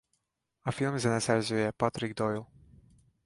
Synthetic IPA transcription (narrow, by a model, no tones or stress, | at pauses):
afilˠmzɛnɛsɛɾzujɛpat̪ɾik̚d̪ɔjlˠ